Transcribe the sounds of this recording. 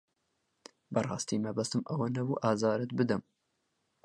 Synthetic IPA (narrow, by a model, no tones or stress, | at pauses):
bɐrˤɑːst̪iːmɐbɐst̪ɨmʔɐwɐnɐbuʔɑːzɑːɾɨt̪̚bɨd̪ɐm